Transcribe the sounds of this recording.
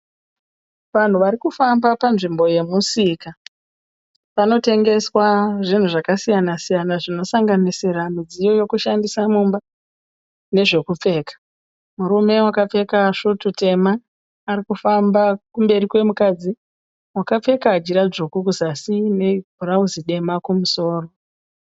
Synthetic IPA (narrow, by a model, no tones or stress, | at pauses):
ʋan̤uʋaɾikufambapanʐimbo̞je̞musika | pano̞te̞ŋɡe̞swaʐin̤uʐakasijanasijanaʐino̞saŋɡanisiɾamid͡zijo̞jo̞kuʃandisamumba | ne̞ʐe̞kup͡fe̞ːkḁ | muɾume̞wakap͡fe̞kaʂutute̞maː | ɾikufambakumbe̞ɾikwe̞mukad͡zi | wakap͡fe̞kaːd͡ʒiɾad͡ʒokuk̬uzasine̞bʱurauziɗe̞makumuso̞ːro̞